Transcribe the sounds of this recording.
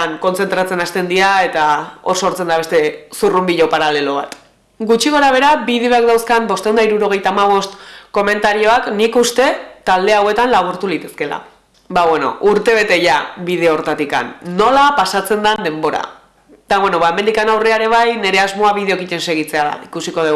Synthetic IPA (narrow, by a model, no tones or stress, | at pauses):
aŋko̞nt͡se̞nt̪ɾat͡se̞nast̪e̞nd̪iaet̪ao̞so̞ɾt͡se̞nd̪aβe̞st̪e̞surumbiʎo̞paɾale̞lo̞β̞a̰t̪ | ɡut͡ʃiɣo̞ɾaβ̞e̞ɾabið̞eo̞ak̚d̪awskambo̞st̪end̪aiɾuɾo̞ɣ̞e̞jt̪aːmaβ̞o̞st̪ko̞me̞nt̪aɾio̞aknikust̪e̞t̪ald̪e̞awe̞t̪anlaβ̞uɾt̪ulit̪e̞ske̞la̰ | baβwe̞no̞̰ʔuɾt̪e̞βe̞t̪e̞ʝaβið̞e̞oɾt̪at̪ika̰nːo̞lapasat͡se̞nd̪and̪e̞mbo̞ɾa̰ | d̪̥aβwe̞no̞βaeme̞nd̪ikanawreaeɾe̞β̞ajne̞ɾe̞azmo̞aβið̞e̞o̞kice̞nse̞ɣ̞it͡se̞aða̰ikusiko̞ðeɣ